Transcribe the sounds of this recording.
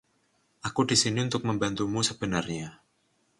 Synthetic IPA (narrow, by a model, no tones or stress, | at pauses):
ʔakud̥i̤siniunt̪ʊk̚məmbant̪umusəb̥ənarɲa